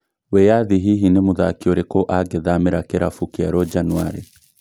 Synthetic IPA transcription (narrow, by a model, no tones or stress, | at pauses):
wejaðiɦiɦinemuðakioɾekoʔaɡeðameɾakeɾafukiaɾɔd͡ʒanwa̰ɾḛ